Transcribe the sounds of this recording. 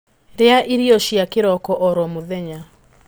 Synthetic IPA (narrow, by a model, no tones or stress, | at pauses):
ɾeaʔiɾiɔʃjakeɾɔkɔʔɔɾɔmoðɛɲa